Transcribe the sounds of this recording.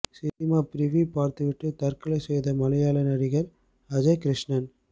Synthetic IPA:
sɪnɪmaːpɾɪʋipaːɾt̪ɯʋɪʈrɯt̪ɐɾkɐlɐɪsɛjðɐmɐlɐjaːlɐnɐɾɪɣɐɾ | ɐd͡ʒɐkɾɪʂnɐn

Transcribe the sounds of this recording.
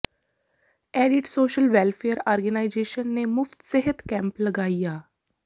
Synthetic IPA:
ɛːɖɪʈsoːʃəlʋɛːlpʰeəɾɔːɾɡənaːɪzeːʃənːeːmʊft̪sɪɦət̪kɛ̃ːmpləɡaːijaː

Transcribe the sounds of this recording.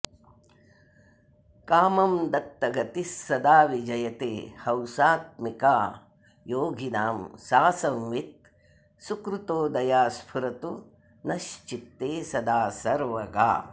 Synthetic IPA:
kaːmɐmd̪ɐt̪ːɐɡɐt̪isːɐd̪aːʋid͡ʒɐjɐt̪eːhɐwsaːt̪̚mikaː | joːɡʱinaːmsaːsɐmʋit̪̚ | sukɾut̪oːd̪ɐjaːspʰuɾɐt̪u | nɐʃt͡ʃit̪ːeːsɐd̪aːsɐɾʋɐɡa̰ː

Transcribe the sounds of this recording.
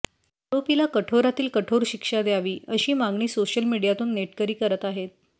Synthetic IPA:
ɾopilakəʈʰoɾat̪iːlkəʈʰoɾɕikʂad̪jaʋiːəɕiːmaŋɡɳiːsoɕjəlmiɽijat̪uːnːeʈkəɾiːkəɾət̪aɦet̪̚

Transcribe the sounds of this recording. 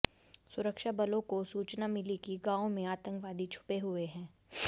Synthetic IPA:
sʊɾəkʃabɐlõkosuːt͡ʃnamɪlikiɡãːõmẽaːt̪ə̃ŋkʋaːd̪ʱit͡ʃʰʊ̥peɦʊeɦɛ̃ː

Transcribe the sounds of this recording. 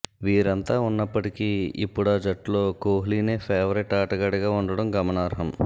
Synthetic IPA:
ʋiːɾɐnt̪aːunːɐpːɐʈikiḭpːuɽɐːd͡ʒɐʈloːkoːɦliːneːpʰeːʋɐɾiʈaːʈɐɡɐɽɐɡaːuɳɖɐɽɐmɡɐmɐnaːɾɦɐm

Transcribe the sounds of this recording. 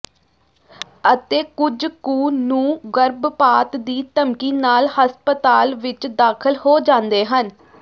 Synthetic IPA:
ət̪eːkʊd͡ʒkuːnũːɡəɾbpaːt̪d̪iːt̪əmkiːnaːlhəspət̪aːlʋɪt͡ʃd̪aːkʰəlhoːd͡ʒãːnd̪eːɦən

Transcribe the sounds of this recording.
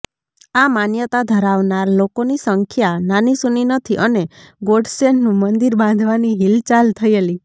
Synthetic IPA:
amanjət̪ad̪ʱəɾaʋnaɾlokonisəŋkʰjananisuninət̪ʰiʔəneɡoɖsennũmənd̪iɾbãnd̪ʱʋaniɦilt͡ʃalt̪ʰəieli

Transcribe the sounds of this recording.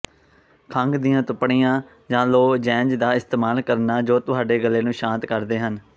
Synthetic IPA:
kʰəŋɡd̪ɪjãːt̪ʊpɽijãː | d͡ʒãːloːd͡ʒɛ̃ːɲd͡ʒd̪aːɪst̪eːmaːlkəɾnaːd͡ʒoːt̪ʊɦaːɖeːɡəlːeːnũːʃãːnt̪kəɾd̪eːɦən

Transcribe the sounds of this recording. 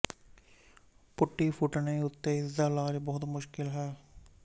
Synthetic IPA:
pʊʈːipʰʊʈneʊt̪ːeɪzaːlaːɾbɔːʊt̪mʊʃkɪlɦɛː

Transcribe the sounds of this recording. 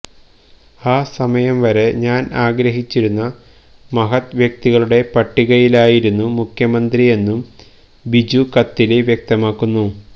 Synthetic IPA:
aːsɐmɐjɐmʋɐɾe̞ɲaːnaːɡɾɐɦit͡ɕːiɾunːɐ | mɐɦɐt̪ʋjɐk̚t̪iɣɐɭuɽe̞pɐʈːiɣɐjilaːjiɾunːumukʰjɐmɐnd̪rije̞nːum | bid͡ʑukɐt̪ːileʋjek̚t̪ɐmaːkːunːu

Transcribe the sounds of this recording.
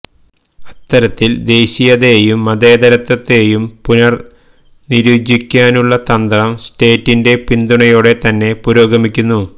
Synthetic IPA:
ɐt̪ːɐɾɐt̪ːild̪e̞ːɕijɐðe̞jumːɐd̪e̞ːd̪ɐɾɐt̪ːɐt̪ːe̞ːjumpunɐr | niɾuːd͡ʑikʲːaːnuɭːɐt̪ɐnd̪ɐɾɐmsʈe̞ːtːinde̞pind̪uɳɐjoːɽe̞t̪ɐnːe̞puɾo̞ːɡɐmikʲːunːu

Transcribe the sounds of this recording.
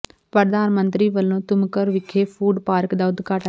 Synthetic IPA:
pəɾd̪aːnmənt̪ɾiːʋəlːõːt̪ʊmkəɾʋɪkʰeːpʰuːɖpaːɾəkd̪aːʊd̪kaʈ

